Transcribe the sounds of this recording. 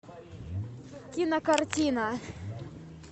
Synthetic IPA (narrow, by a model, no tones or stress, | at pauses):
kʲinɐkɐrtʲinɐ